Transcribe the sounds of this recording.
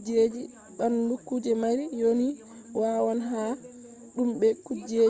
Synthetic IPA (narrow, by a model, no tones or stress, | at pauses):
d͡ʒed͡ʒi | ɓanlukːud͡ʒɛmaɾijoni | waːwanɦa | ɗumɓɛkud͡ʒe